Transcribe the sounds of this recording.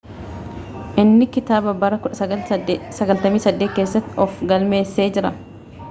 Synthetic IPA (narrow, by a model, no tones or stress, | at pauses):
ʔɪnːɪkɪt̪aːbɐbɐɾɐkʊᶑɐ | sɐɡɐlt̪ɐmiːsɐd̪ːeːt̪̚keːsːɐt̪ːɪɔfɡɐlme̞ːsːe̞ːd͡ʒɪɾɐ